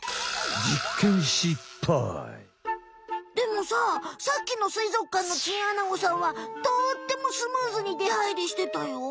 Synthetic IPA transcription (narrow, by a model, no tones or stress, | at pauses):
d͡ʑikʰːẽñɕipʰːa̰ | d̪e̞mo̞saːsakʲːino̞sɨizo̞kːãnːo̞t͡ɕĩɰ̃anaɡo̞sãɰ̃βat̪o̞ːt̪ːe̞mo̞sɨmɯːzɨɲ̟id̪e̞haiɾʲiɕi̥t̪e̞t̪ajo̞